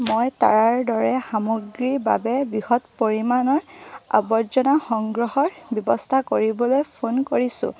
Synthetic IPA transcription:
mojta̰ɹaɹdɔɹɛxamoɡɹiɹba̰bɛbɹixɔtpoɹimanɔɹa̰bɔzɔnaxɔŋɡɹɔhɔɹbjɔbɔstʰakoɹibɔlojpʰonkoɹisʊ̰̃

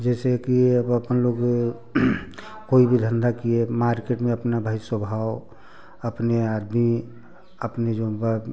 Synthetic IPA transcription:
d͡ʒɛsekiəbəpənloɡ | koibʱid̪ʱənd̪akiemaɾkeʈmẽəpnabʱaːiswəbʱawo | əpnead̪mi | əpned͡ʒob

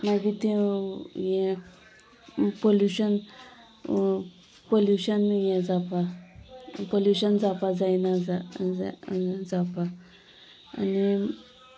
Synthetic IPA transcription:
maɡit̪ɛ | jɛ̃ | poljuɕən | poljuɕənjɛ̃d͡zapa | poljuɕənd͡zapad͡zajnad͡za | d͡zapa̰ː | ni

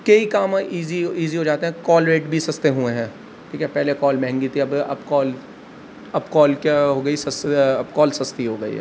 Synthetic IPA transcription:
kɐikaːmãʔiːziiːziɦod͡ʒaːt̪eɦɛ̃kɔːlɾeːʈbʱisɐst̪eɦuẽɦɛ̃ː | ʈʰiːkɛpɛɦlekɔːlmɛ̃ɦɛ̃ŋɡit̪ʰiɐbɐ̰bkɔːl | ɐbkɔːlkeɦoːɡɐisɐsɐbkɔːlsɐst̪iɦoːɡɐḭɦɛ̰ː

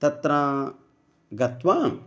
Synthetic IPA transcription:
t̪ɐt̪ɾaː | ɡɐt̪ʋaːm

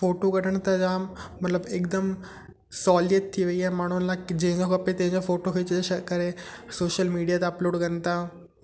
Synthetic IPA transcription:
foːʈokɐɽəɽ̃t̪ɐd͡ʑaːmɐt̪ləbek̚d̪əm | sɔːljət̪̚t̪ʰːiʋɐiaɛmaːɳ̤unlad͡ʑẽɦɪ̃ɲd͡ʑokɐpet̪ɐ̃ɦɪ̃ɲd͡ʑofoːʈokʰɐt͡ɕd͡ʑeɐkɐɾesoːʃəlmiːɖijat̪eɐploːɖkɐnt̪a

